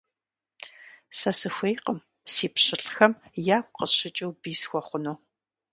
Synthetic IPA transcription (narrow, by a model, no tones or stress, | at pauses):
sɐsɨxʷejqəm | siːpɕɪɬʼxɐmjaːkʷʼqəɕɪt͡ʃʼɪwbiːsxʷɔχʷʊnoː